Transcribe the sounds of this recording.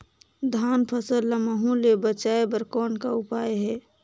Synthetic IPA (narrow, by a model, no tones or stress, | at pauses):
d̪ʱanpʰəsəllːəməɦũlebət͡ʃaebəɾkɔːnkaupaeɦɛː